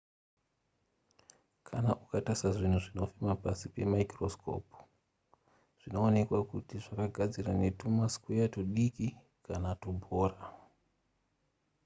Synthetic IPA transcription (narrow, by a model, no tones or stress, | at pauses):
kʰanaʔukatasaʐin̤uʐino̞fimapasipe̞maikro̞sko̞̰pu̥ | ʐ̥ino̞ːne̞kwakutiʐakaɡʱad͡zirane̞tumaskwejatoɗiki | kʰanatubʱoːra